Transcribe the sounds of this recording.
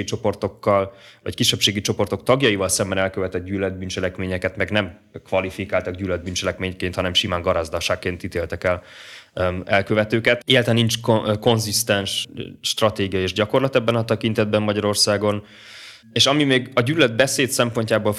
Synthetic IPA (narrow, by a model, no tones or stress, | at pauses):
it͡ʃo̞po̞rt̪o̞kːɒlvɒ̰ckiʃːɛpʃeːɡit͡ʃo̞po̞rt̪o̞k̚t̪ɒɡjɒivɒlsɛmbɛnɛlkøvɛt̪ɛd̪̚ɟyːlɛd̪̚bynt͡ʃɛlɛkmeːɲɛkɛt̪mɛɡnɛm | kvɒlifikaːlt̪ɒɡɟyːlɛd̪̚bynt͡ʃɛlɛkmeːɲkeːnt̪hɒnɛmʃimaːŋɡɒɾazd̪ɒʃaːkːeːnt̪it̪eːlt̪ɛkɛl | ɛlkøvɛt̪øːkɛt̪elt̪ɛniɲt͡ʃkoko̞nzist̪ɛnʃːt̪rɒt̪eːɡijɒeːʒɟɒko̞rlɒt̪ɛbːɛnɒt̪ɛkint̪ɛd̪̚bɛmːɒɟɒɾo̞rsaːɡo̞n | eːʃɒmimeːɡɒɟyːlːɛd̪̚bɛseːt̪sɛmpo̞ɲcaːboːl